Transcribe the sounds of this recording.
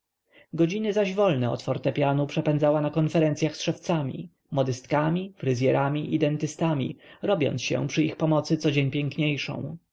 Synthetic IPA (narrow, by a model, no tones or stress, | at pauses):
ɡɔd͡ʑinɘzaʑvɔlnɛɔ̰t̪fɔɾt̪ɛpʲjanupʂɛpɛnd̪zawanakɔnfɛɾɛnt̪sjaxsʂɛft̪samʲḭ | mɔd̪ɘst̪kamʲifɾɘzʲjɛɾamʲiʔid̪ɛnt̪ɘst̪amʲḭɾɔbʲjɔ̰nsɕɛ̰pʂɘixpɔmɔt̪sɘt̪sɔd͡ʑeɲpʲjɛŋkɲejʂɔ̰̃w̃